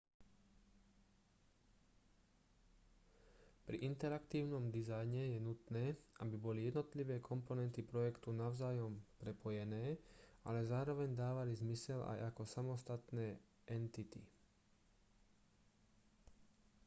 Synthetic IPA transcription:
pɾḭʔint̪ɛɾakt̪iːʊnɔmd̪izajɲɛjɛnut̪nɛːʔabibɔlijɛd̪nɔt̪liʋɛːkʰɔmpɔnɛnt̪ipɾɔjɛkt̪unaʊzaːjɔmpɾɛpʰɔjɛnɛːa̰lɛzaːɾɔʋɛɲd̪aːʋalizmisɛla̰jʔa̰kɔsamɔst̪at̪nɛː | ʔɛnt̪it̪ḭ

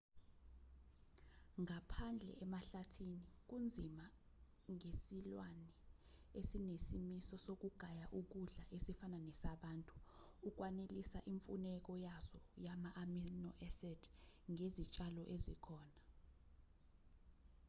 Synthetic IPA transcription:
ŋapʰand͡ɮʱɛ̰ɛmaɬatʰinik̬und͡zʱima | ŋesilwanɛ | esinesimisɔsok̬uɡ̥ʱajaʔuk̬uɮaʔesifananɛsaɓaːntʼu̥ | uk̬wanelisaʔiɱfunɛk̬ɔjazɔjamaʔaminɔʔɛsɛdʰŋezit͡ʃʼalɔʔezḭkʰɔːna

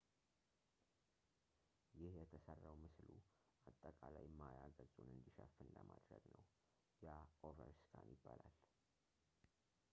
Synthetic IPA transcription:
jɪhjɛt̪ʰəsərːawmɨslu | ʔat̪ʼːəkʼalajmːajaɡəzunɨnd̪iʃəfːɨnləmad̪ɾəɡnəw | jaovəɾskʰanjɪbːalal

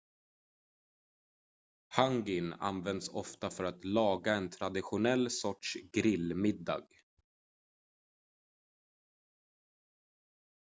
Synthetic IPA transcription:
haŋɡɪna̰nvɛnd̪sɔft̪afœɾat̪lɑːɡaɛnt̪ʰɾad̪ɪɧʊnɛlːsɔʈʂɡɾɪlmɪd̪ːɑ̰ːɡ

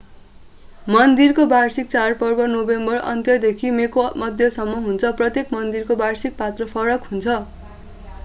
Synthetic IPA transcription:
mʌnd̪irkobarsik̚t͡sarpʌrbʌnobembʌrʌ̰nt̪jʌd̪ekʰimekomʌd̪ʱjʌsʌmːʌɦunt͡sʰʌprʌt̪jekmʌnd̪irkobarsik̚pat̪rʌpʰʌɾʌkɦunt͡sʰʌ

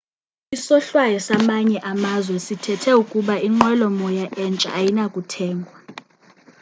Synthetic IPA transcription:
isɔɬwajɔsamaɲɛʔamazwɛsitʰɛtʰɛukʼuɓaiŋ͡ǃwɛlɔmɔjaʔɛnt͡ʃʼa̰ːjinakʼutʰɛːŋɡʱwa

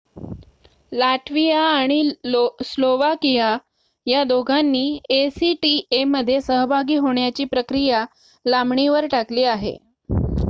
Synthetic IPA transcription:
laʈʋijaːɽ̃isloʋakija | jad̪oɡʱanːiːesiʈieməd̪ʱːjesəɦbʱaɡiːɦoɳjat͡ɕiːpɾəkɾija | lamɳiʋəɾʈakliːaɦḛ

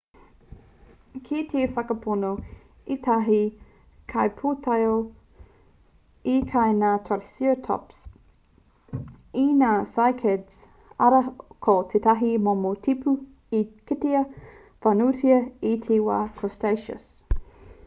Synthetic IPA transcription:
kʰitʰeːfɐkɐpʰono | it̪ʰɐɦi | kʰɐjpʰoːtʰɐjo | ikʰɐjnaːt̪ʰɐɾisiotʰɔ̰ps | inaːsajkʰɛds | ɐɾɐkʰot̪ʰet̪ɐɦimomotʰipʰu | ikiteɐ | fɐnutiɐitʰeːwa̰ːkʰostejʃə̰s

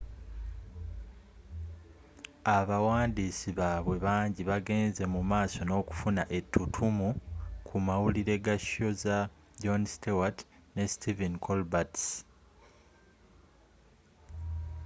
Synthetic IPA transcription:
aβawaːndisiβaːβwe̞βaːɲɟiβaɡe̞ːnze̞mumaːso̞no̞ːku̥funaʔe̞tʰːutʰumukʰumawuliɾe̞ɡaʃo̞za | ɟonstewat | ne̞stʰivenkʰolbats

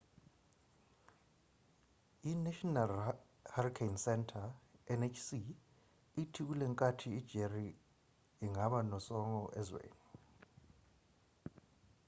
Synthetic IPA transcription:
inaʃɔnal | harikʰejnsɛntʰaɛnet͡ʃʰsi | itʰik̬ulɛŋkʼatʰiid̥d͡ʒ̥ʱeri | iŋaɓanɔsɔŋɔʔɛzwḛːni

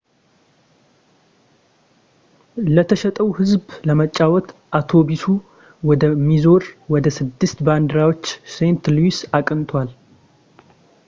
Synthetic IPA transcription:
lət̪ʰəʃɛt̪ʼəwhɨzbləmət͡ʃʼːawɔt̪ʔat̪ʰo̞bisu | wɔd̪əmizo̞ɾwɔd̪əsɨd̪ːɨst̪band̪əɾawo̞t͡ʃːsent̪luwisakʼɨnt̪ʰwal

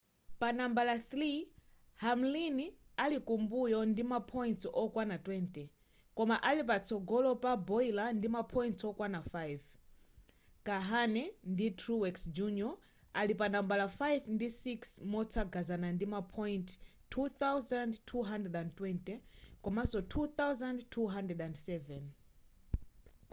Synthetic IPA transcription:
panambalaθɾi | hamlinialikumbujɔndimapʰɔjintɔkwanatwɛntɛ | kɔmaʔalip̬at͡sʰɔɡɔlɔpabɔilandimapʰɔjntʰɔkwanafajv | kaɦanɛnditʰɾuwɛksd͡ʒunjɔ | alipanambalafajvndisiksmɔtʰaɡazanandimapʰɔjnt | tʰuθawzandtʰuɦandrɛdandtwɛntɛkɔmasɔtʰuθawzandtʰːuɦandɛdãndsɛvɛn

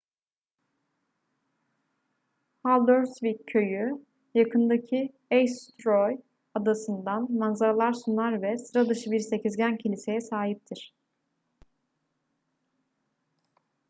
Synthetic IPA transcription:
halˠd̪øɾsvicʰø̞jy | jakʰɯnd̪acʰi | ejst̪ɾoj | ad̪asɯnd̪anmanzaɾalˠaɾsunˠaɾvɛsɾad̪ɯʃɯbiɾse̞cʰizɟæncʰilʲise̞jɛsaːɦip̚t̪ʰiɾ̥

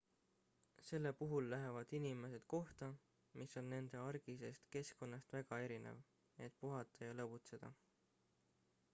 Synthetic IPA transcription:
se̞lːepuɦulːæɦe̞vɑd̪̥inime̞se̞d̪̥ko̞ht̪ɑ | miso̞nːe̞nd̪̥e̞ɑrɡ̥ise̞st̪ke̞sko̞nːɑst̪væɡ̥ɑe̞ɾinḛv | e̞t̪̚puɦɑt̪ːˑɑjɑlɤbut̪se̞d̪̥ɑ̰

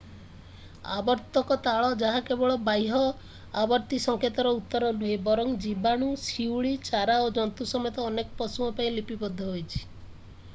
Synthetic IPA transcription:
a̰bɔɾt̪ɔkɔt̪aɭɔd͡ʒaɦakebɔɭɔbajɦɔ | abɔɾt̪isɔŋket̪ɔɾɔut̪ːɔɾɔluebɔɾɔŋd͡ʒibaɽ̃usiwɭit͡ʃaɾaod͡ʒɔnt̪usɔmet̪ɔːnekɔ̥pɔsuɔpaĩlipibɔd̪ʱːɔɦojt͡ʃʰi̥

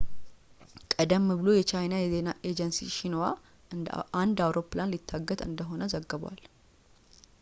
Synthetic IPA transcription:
kʼəd̪əmːɨβɨlo̞jɛt͡ʃajnajɛze̞naʔe̞d͡ʒənsḭʃɪnwa | and̪awɾo̞pːlanlit̪ʰːaɡːət̪ʼɨ̰nd̪əɦo̞nəzəɡːəβwa̰l

